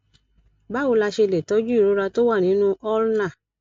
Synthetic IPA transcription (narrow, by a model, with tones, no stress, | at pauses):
ba˦o˧la˧ʃe˧le˨tɔ˨˦d͡ʒu˦i˦˨ɾo˨˦ɾa˧to˦wa˦˨nĩ˨˦nũ˦ɔ˦lnã˦˨